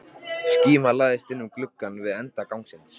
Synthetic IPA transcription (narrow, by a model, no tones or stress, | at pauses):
sciːmalaːðɪst̪ɪnːʏmklʏkːanvɪðɛnt̪akawŋksɪns